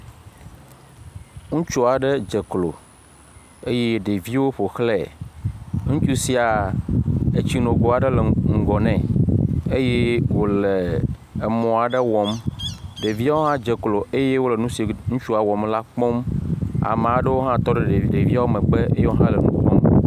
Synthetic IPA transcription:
ŋũ˦t͡ʃu˦a˨ɖe˦d͡ʒe˨klo̰˨ | e˦je˦ɖe˨vi˦wo˦ɸo˨xlɛ˨ | ŋũ˦t͡ʃu˦si˨a˨ | e˨t͡ɕi˦nõ˨ɡo˨˦a˨ɖə˦le˨ŋ̩˨ɡɔ˨nɛ̃˨e˦je˦wo˨leː˨ | mɔ̃˨a˨ɖe˦wɔ˨mɖe˨vi˦a˦wo˦ɦã˦d͡ʒe˨klo˨e˦je˦wo˦le˨nũ˦si˨ŋũ˦t͡ʃu˦a˨wɔ˨mla˦k͡pɔ˦ma̰˨mẽ˨a˨ɖe˦wo˦ɦã˦t̪ɔ˦ɖe˦ɖe˨i˨ɖe˨vi˦a˦wo˦mɛ̃˨ɡ͡be˦ḛ˦je˦wo˦ɦã˦le˨nũ˦k͡pɔ˦m

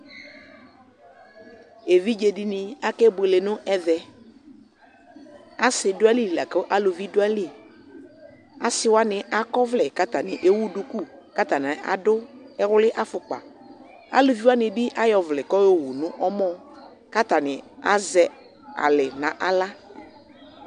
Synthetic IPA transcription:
e˨vi˦d͡ʒe˨di˦nɪ˨a˦kɛ˦be˨lɪ˨nʊ̃˦ʔɛ˦ðɛ˨ | a˨˦sɪ˨dʊ˦a˦li˦˨la̰˨kɛ˦ʔa˦lo˨vi˦dʊ˦a˦li˦˨ | a˨sɪ˦wa˦nɪ˨ʔa˨kɔ˦vlɛ˨ka˦t̪a˨nɪ̃˨ʔe˦wu˦dʊ˨ku˦˨ka˦t̪a˨nɪ˨ʔa̰˨dʊ˦ɛ˦ɣʊ˦lɪ˦ʔa˦fʊ˨k͡pa̰˨ | a̰˦lo˨vi˦wa˦nɪ̃˨bi˦ʔa˦jɔ˨vlɛ˨kɔ˦jo˦wu˨nʊ̃˦ʔɔ˦mɔ̃˦ | ka˦t̪a˨nɪ̃˨a̰˦zɛ˦ | a̰˨lɪ˨nã˨ʔa˨la˦

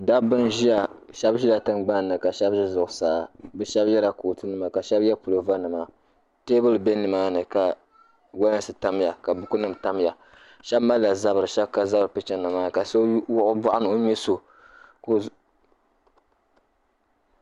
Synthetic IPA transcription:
da˦bɨ˦nʒi˦ja˨ʃɛ˦bʒi˦la˨tɨ˦nɡ͡ba˦n˨nːɨ˨ka˨ʃɛ˦bʒi˦zʊ˨ʔʊ˨saː˨bɛ˦ʃɛ˦bjɛ˦la˨koː˨tɨ˦nɨ˦ma˨ka˨ʃɛ˦bjɛ˦pu˨lo˨va˦nɨ˨ma˨ | teː˦bɨ˦lɨ˨be˦nɨ˨maː˦nɨ˨ka˨ | wa˦na˦sɨ˨ta˦m˦ja˨ka˨bʊ˦ku˦nɨ˦m˨ta˦m˦ja˨ | ʃɛ˦bma˦lla˨za˦bɨ˨ɾɨ˨ʃɛ˦bka˨za˦bɾɨ˨pɨ˦t͡ʃɛ˦nɨ˨maː˦˨ka˨so˦wʊ˦ʔʊ˦bʊ˦ʔʊ˦nɨ˨o˦ɲɛ˦so˨ | ko˦

